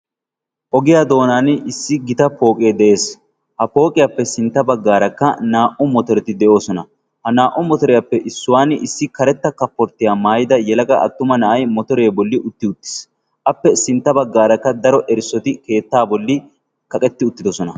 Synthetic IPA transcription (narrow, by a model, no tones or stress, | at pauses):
ʔɔɡɪjaːd̪o̞ːnaːnɪsːɪɡɪt̪ɐpo̞ːkʼeːd̪ɛʔe̞ːs | hɐpo̞ːkʼɪjapːɛsɪnt̪ːɐbɐɡːaːɾɐkːɐnaːʔʊmɔt̪ɔɾɛt̪ɪd̪ɛʔo̞ːsɔnɐ | hɐnaːʔʊmɔt̪ɔɾɛjɐpːɛʔɪsːʊwaːnɪsːɪkɐɾɛt̪ːɐkɐpːɔɾt̪ːɪjaːmaːjɪd̪ɐjɛlɐɡɐʔɐ̰t̪ːʊmɐnɐʔɐjmɔt̪ɔɾe̞ːbɔlːɪʔʊt̪ːɪʊt̪ːɪ̥s | ʔɐpːɛsɪnt̪ːɐbɐɡːaːɾɐkːɐd̪ɐɾɔʔɛɾsːɔt̪ɪke̞ːt̪ːaːbɔlːɪ | kɐkʼɛt̪ːɪʊt̪ːɪd̪ɔsɔnɐ